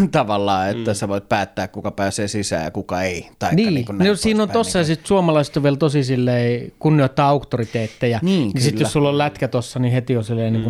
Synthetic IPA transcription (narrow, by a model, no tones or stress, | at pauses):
t̪ɑʋɑlːɑːet̪ːæseʋoit̪̚pæːt̪ːæːkkukɑpæːseːsisæ̰ːjɑ̰kukɑeit̪ɑiniːkunosiːnːont̪osːɑjɑsit̪suomɑlɑiset̪oʋielt̪osisilːeikunːioˑt̪ːɑɑukt̪ːorit̪eːt̪ːejɑniːnisiljosulːollæt̪kæt̪osːɑnihet̪ionsilːeˑinːiːŋku